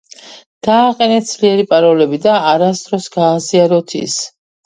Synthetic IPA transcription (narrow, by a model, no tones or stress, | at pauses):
d̪̥aːqʼɛnɛz̥liɛɾipʼaɾɔlɛbid̪aːɾasd̪ɾɔsɡaːziaɾɔt̪ʰḭs